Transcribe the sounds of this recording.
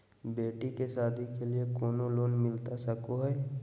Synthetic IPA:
beːʈikesaːd̪ʱikeliekɔːnoloːnmɪlt̪asɐkoɦɛː

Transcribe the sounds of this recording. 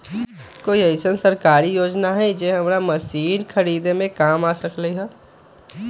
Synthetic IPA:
koːiəɪsənsəɾkaːɾijoːd͡ʒnaɦɛ̃d͡ʒeɦɐmɾaməsiːnkʰəɾiːd̪emẽkaːmaːsəkleɦɛː

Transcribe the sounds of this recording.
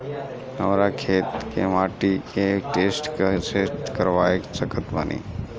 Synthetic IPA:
ɦə̰mɾakʰeːt̪kemaːʈikeʈeːsʈkəseːʈ̪kəɾʋaːekt͡ʃəkət̪bə̰nʔḭː

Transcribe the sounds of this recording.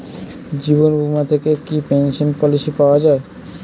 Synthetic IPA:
d͡ʑiβonbʱumat̪ʰekekipenʃonpɔlisipaoad͡ʑae

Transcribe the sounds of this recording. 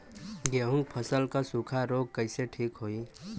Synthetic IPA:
ɡeːɦʊ̃ŋɡpʰəsəlkasuːkʰaɾoːɡ̚kəɪseʈʰiːkɦoːiː

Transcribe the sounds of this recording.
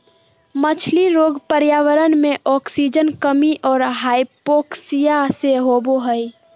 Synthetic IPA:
mət͡ʃʰliɾoːɡpəɾjaːʋəɾənmẽʔɔːksid͡ʒənkəmiʔɔːɾɦaːipoːksijaseɦoːboɦəi

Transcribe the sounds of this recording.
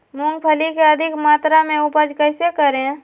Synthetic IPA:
mʊ̃ŋɡ̚pʰəlikeəd̪ʱɪkmaːt̪ɾamẽʊpəd͡ʒkəɪsekəɾẽ

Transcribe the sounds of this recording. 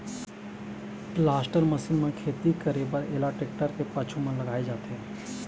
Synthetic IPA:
plaːsʈəɾmɐsɪnmãkʰeːt̪ikəɾebəɾḛːlaʈeːk̚ʈəɾkepat͡ʃʰumãlɐɡaːed͡ʒaːt̪eɦɛ̃ː

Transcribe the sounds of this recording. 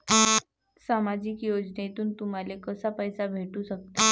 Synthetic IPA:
samad͡ʑikjod͡ʑnt̪uːnt̪um̤alekəsapəjsabʱeʈuɕək̚t̪e

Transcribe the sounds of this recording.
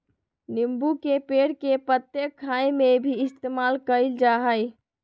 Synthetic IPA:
nimbukepeɽkepɾət̪jəkʰːajmebʱiɪst̪emalkəɪld͡ʒaɦəj

